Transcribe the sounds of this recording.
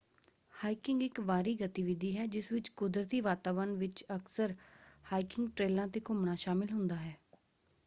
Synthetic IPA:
haːikɪ̃ŋɡɪkʋaːɾiːɡət̪ɪʋɪd̪iːɦɛːd͡ʒɪsʋɪt͡ʃkʊd̪ɾət̪iːʋaːt̪aːʋəɾnʋɪt͡ʃəksəɾhaːikɪŋɡʈɾeːlãːt̪eːkʊmɳaːʃaːmɪlɦʊnd̪aːɦɛː

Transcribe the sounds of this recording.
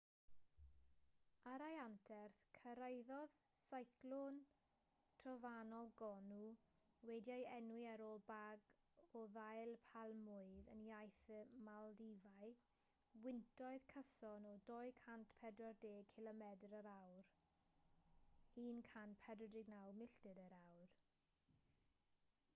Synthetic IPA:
aɾajantʰɛrθkʰəɾəjðɔð̥sajklɔn | tʰrɔvanɔlˠɡɔnu | wɛdjajɛnwɨaɾoːlˠbaɡ | ɔðajlˠpʰalˠmʊɨðə̰njajθmalˠdivaɨ | wɪntʰɔɨð̥kʰəsɔnɔdɔɨkʰantʰpʰɛdrɔrdeːkʰɪlˠɔmɛdrəɾawr | hiːnkʰantpʰɛdrɔdɪɡnawmɪɬtɨdəɾawr

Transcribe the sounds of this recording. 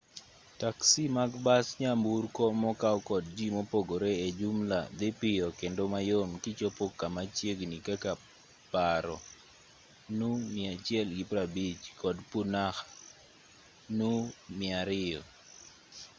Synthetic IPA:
taksimaɡbasɲamburkɔmɔkawkɔdd͡ʒimopoɡoɾeed͡ʒumlad̪ɪpɪjɔkendomajomkɪt͡ʃopokːamat͡ʃjeɡnikaka | paɾɔ̰ | numɪat͡ʃjɛlɡɪpɾabit͡ʃkɔdpunax | numɪaɾɪjɔ

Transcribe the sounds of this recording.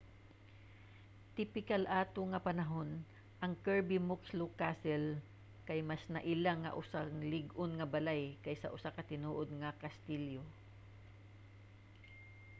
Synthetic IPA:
t̪ɪpɪkalʔaːt̪oŋɐpɐnɐɦon | ʔɐŋkɛɹbimʊkslokasɛl | kɐjmasnɐʔɪlaŋːɐ̰ʔʊsaŋlɪɡʊnŋɐbɐlajkɐjsɐʔʊsakɐt̪ɪnuːʔod̪̚ŋɐkɐst̪iljo

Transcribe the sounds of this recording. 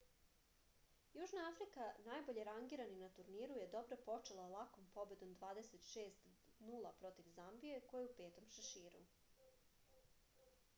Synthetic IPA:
juʒnaafɾikanajbo̞ʎe̞ɾaŋɡiːɾaninat̪uɾniːɾuje̞d̪o̞bɾe̞po̞t͡ʃelˠalˠako̞mpo̞be̞d̪omd̪ʋaːd̪eset̪ʃe̞ːst̪nuːlˠapɾo̞t̪iʋzambije̞ko̞jeupe̞ːt̪o̞mʃaʃiːɾṵ

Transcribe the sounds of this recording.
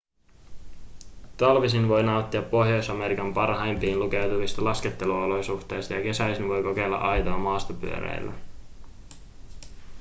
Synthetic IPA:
t̪ɑlʋisinʋo̞jnɑwt̪ːiɑpːo̞ɦjo̞jsɑme̞ɾikɑmpɑrɦɑjmpiːnluke̞wt̪uʋist̪ɑlɑske̞t̪ːe̞luolo̞jsuxt̪e̞ːjst̪ɑjɑke̞sæjsinʋo̞jko̞ke̞lːɑ̰ʔɑjt̪oːmɑːst̪ɑpy̰øɾḛjlːæ̰

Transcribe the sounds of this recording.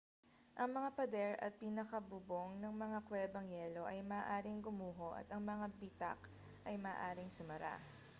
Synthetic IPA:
ʔɐŋmɐŋapɐd̪ɛɾɐ̰t̪̚piːnɐkɐbuboŋnɐŋmɐŋakwɛbɐŋjɛːlo̞ʔɐjmɐːʔaːɾɪŋɡʊmuːɦo̞ʔɐ̰t̪ɐŋmɐŋabit̪ɐ̰k | ʔɐjmɐːʔaːɾɪŋsʊmɐɾa̰

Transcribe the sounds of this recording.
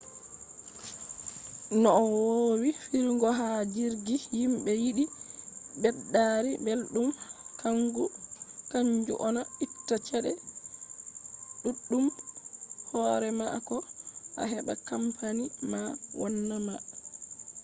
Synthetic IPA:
nɔːwowifiɾŋɡɔɦad͡ʒiɾɡijimbɛjiɗi | bɛɗːaɾibelɗumkʰaŋɡukaɲd͡ʒṵʔɔnaitːat͡ʃɛɗɛ | ɗuɗːum | hɔɾɛma̰kɔʔa̰ɦɛɓa̰kampanimawʔɔnːama

